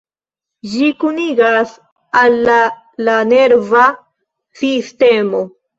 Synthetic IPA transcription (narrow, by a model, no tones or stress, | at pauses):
d͡ʒikuniɡas | alːaː | ane̞ɾva | siste̞mo̞